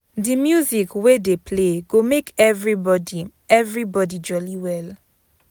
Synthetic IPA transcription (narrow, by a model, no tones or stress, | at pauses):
dimjuzikwedepʰleɡomekʰɛvɹibɔdi | ɛvɹibɔdid͡ʒɔliwɛl